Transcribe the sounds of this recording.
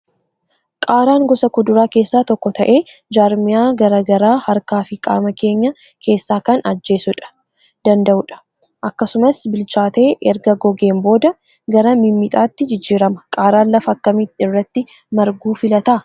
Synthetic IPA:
kʼaːɾaːŋɡɔsɐkʊd̪ʊɾaːke̞ːsːaːt̪ɔkːɔt̪ɐʔe̞ːd͡ʒaːɾmɪjaːɡɐɾaːɡɐɾaːhɐɾkaːfɪkʼa̰ːmɐke̞ːɲːɐ | kʰe̞ːsːaːkɐnɐd͡ʒːe̞ːsʊᶑɐ̥ | d̪̥ɐnd̪ɐʔʊᶑɐ̥ | ʔɐkːɐsʊmɐsbɪlt͡ʃaːt̪e̞ːʔɛɾɡɐɡɔɡe̞ːmbo̞ːd̪ɐ | ɡɐɾɐmɪmːɪt̪ʼaːt̪ːɪd͡ʒɪd͡ʒːiːɾɐmɐkʼaːɾaːnlɐfɐɐkːɐmit̪ːɪɪrːɐt̪ːɪ | mɐɾɡuːfɪlɐt̪ɐ

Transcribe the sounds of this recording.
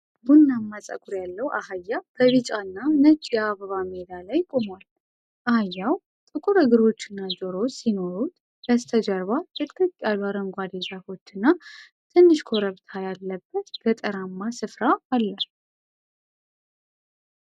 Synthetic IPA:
bunːamːasʼə̰kʼuɾjalːəwʔahajːabʰəβit͡ʃʼanːanət͡ʃʼːaβəβamed̪alajkʼo̞mwal | ʔahajːaw | t̪ʼɨkʼuɾəɡɨɾo̞t͡ʃːɨnːad͡ʒo̞ɾo̞t͡ʃsino̞ɾut̪ | bəst̪ʰəd͡ʒəɾβat̪ʰɨk̪ʼɨkʼːaluaɾəŋɡʷad̪ezafo̞t͡ʃːɨnːa | t̪ʰɨnːɨʃkʰo̞ɾəβt̪ʰajalːəbːət̪bət̪ʼəɾamːasɨfɾaːlːə

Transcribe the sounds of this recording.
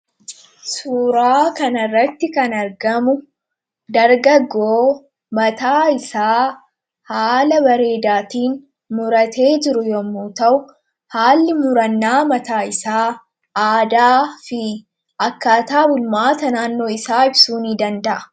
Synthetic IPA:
suːɾaːkɐnɐrːɐt̪ːɪkɐnɐɾɡɐmʊ | d̪ɐɾɡɐɡːoː | mɐt̪aːɪsaː | haːlɐbɐɾe̞ːd̪aːt̪iːn | mʊɾɐt̪ʰe̞ːd͡ʒɪɾʊjɔmːuːt̪ɐʔʊ | haːlːɪmʊɾɐnːaːmɐt̪aːɪsaː | aːd̪aːfɪ | ɐkːaːt̪aːbʊlmaːt̪ɐnaːnːo̞ːɪsaːɪbsuːniːd̪ɐnd̪ɐʔɐ̥

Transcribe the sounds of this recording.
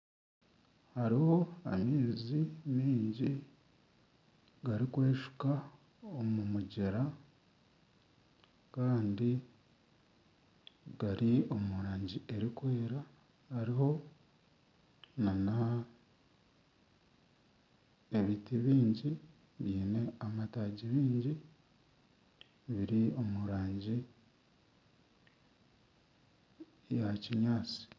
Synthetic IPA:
haɾiho̞a̰meːzimiːɲɟi | ɡaɾikwe̞ːʃu̥ka | omumuɟeɾa | kaːndi | ɡaɾio̞muɾaːɲɟie̞ɾikwe̞ːɾa | hːɾiho̞ | nana | eβitiβiːɲɟi | βiːne̞amataːɟiβiːɲɟi | βiɾio̞muɾaːɲɟi | jaciɲaːt͡si̥

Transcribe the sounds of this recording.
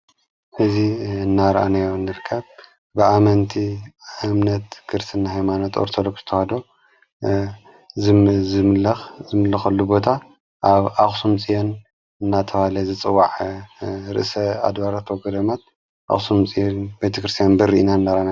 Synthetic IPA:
ʔɨziɨnːaɾʔa̰najonːɨɾkʰːɐβ | bɨʔamɐnt̪ʰiaɨmnɐt̪kʰɨɾsɨnːaɦajmanot̪ʰo̰ɾt̪ʰod̪oksɨt̪ʰɐhad̪o | zɨmlɐxzɨmɨlːɐxɐlːubo̞t̪ʰa | ʔaβaxsumt͡sʼijon | ɨnːat̪ʰɐβalɐzɨt͡sʼɨwːaʕ | ɾɨ̰ʔsɐa̰d̪waɾat̪ʰwɔɡɐd̪ɐmat̪̚ | ʔa̰xsumt͡sʼijonbet̪ʰɐkɾɨst̪ʰijanbɐɾːiʔinaɨnːaɾanaj

